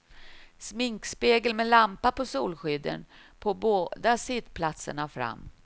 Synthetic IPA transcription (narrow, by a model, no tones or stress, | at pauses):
smɪŋkspeːɡəlmɛlampapʰɔsuːlɧʏd̪ːə̰n | pʰɔboːd̪asɪt̪pʰlat̪sə̰ɳafɾa̰mː